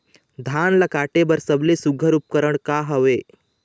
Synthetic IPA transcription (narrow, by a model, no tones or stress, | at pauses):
d̪ʱaːnlɐkaːʈebəɾsəblesuɡʱəɾup̚kəɾəɽkaɦəʋeː